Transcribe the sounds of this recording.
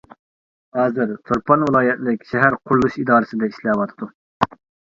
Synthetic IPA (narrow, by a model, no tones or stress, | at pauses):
hɑːzɨɾt̪ʰoɾpʰɑnvɨlˠɑːjɛt̪lɪkʲʃɛɦæɾqʰʊɾlˠuʃid̪ɑːɾɨsɨd̪ɛiʃlɛwɑt̪ʰɨd̪̥u